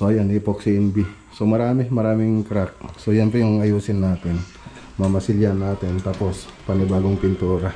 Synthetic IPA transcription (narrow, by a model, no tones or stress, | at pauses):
soʔɐjanipoksiʔɛnbi | somɐɾaːmɪmɐɾaːmɪŋkɾak̚sojɛnpɾɛjʊŋɐjuːsɪnːaːt̪ɪn | mɐmɐsɪljanaːt̪ɪnt̪aːpo̞spɐnɪbaːɡoŋpɪnt̪uːɾa